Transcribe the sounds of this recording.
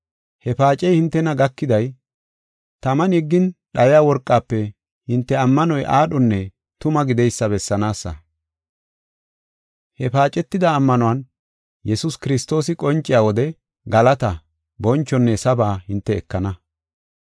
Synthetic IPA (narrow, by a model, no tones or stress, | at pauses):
hɛpaːt͡ʃʼɛjhɪnt̪ːɛnɐɡɐkːɪd̪ɐj | t̪ɐmɐnɛɡːɪnɗɐjjaːwɔɾkʼːaːpːɛ | hɪnt̪ːɛɐmːɐnɔjʔaːɗɔnːɛ | t̪ʊmɐɡɪd̪ɛjsːɐbɛsːɐnaːsːɐ̰ | hɛpaːt͡ʃʼɛt̪ːɪd̪ɐːmːɐnʊwɐn | jɛsʊskɪɾɪst̪o̞ːsɪkʼɔnt͡ʃʼːɪjaːwɔd̪ɛ | ɡɐlɐt̪ɐ | bɔnt͡ʃːɔnːɛsɐbaːhɪnt̪ːɛːkːɐnɐ